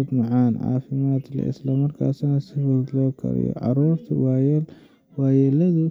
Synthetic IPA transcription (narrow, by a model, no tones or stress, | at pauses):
t̪mɐʕanʕa̰ːfimat̪lɐ̰ʔɪ̰slɐmɐɾkʰa̰ːsnɐsɐfɐt̪lokʰɐ̰ɾɐ̰jo̰ʕa̰ɾobt̪ʰwj | wajɛlɐd̪u